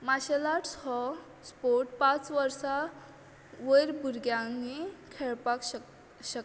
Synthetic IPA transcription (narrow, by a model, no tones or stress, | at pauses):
maɕelaʈshɔ | spoɾʈpãt͡sʋəɾsa | ʋəjɾbʱuɾɡjãŋɡikʰeɭpak | ɕək